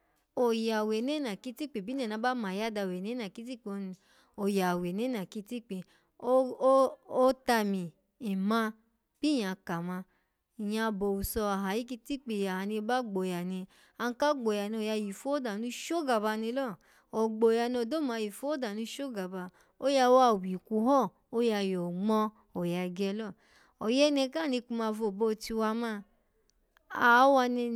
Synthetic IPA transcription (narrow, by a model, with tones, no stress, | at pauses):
o˨ja˨we˨ne˦nã˨ki˦ti˦k͡pe˨bi˦n˦ã˨nã˧˦ba˦mã˨ja˦da˧˨we˨ne˦nã˨ki˦ti˦k͡po˧ni˧ | o˨ja˨we˨ne˦na˨ki˧ti˦k͡pe˧ | o˦ | o˦ta˧mĩ˨ | i˨mã˧ | b̥i˦jã˨˧ka˨mã˧ | i˨jã˧bo˨wu˨sɔ˧a˨ɦa˨ji˦k̬i˧ti˦k͡pe˧˨ja˨a˨nĩ˧ba˦ɡ͡bo˨ja˨nĩ˧ | a˧n˧˦ka˦ɡ͡bo˨ja˨ni˧o˨ja˧ji˨fo˦da˨nũ˧˦ʃo˦ɡa˨ba˧nĩ˧˦lɔ˦˨ | ɔ˨ɡ͡bo˨ja˧˨ni˧o˧˨do˦mã˨˧ji˨fo˦da˨nũ˧˦ʃo˦ɡa˨ba˧ | o˦ja˧wa˧˦˨wi˨ku˧˦ɦɔ˦˨ | o˦ja˧jɔ˨ŋ͡mɔ˧ | o˨ja˧ɡɛ˧lɔ˦˨ | ɔ˨jɛ˦nɛ˧ka˦˨ni˧ku˧mã˧vo˨bo˧ti˧wa˧mã˦˧˨ | a˨˦wa˧ni˧